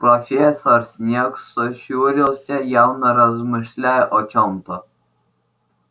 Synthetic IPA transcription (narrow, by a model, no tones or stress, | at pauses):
pɾɔfʲesɔɾsʲnʲeksɔɕuɾʲilˠsʲajawnɔɾɐzmɨʃlʲajɛʔɔt͡ʃɔmt̪ɔ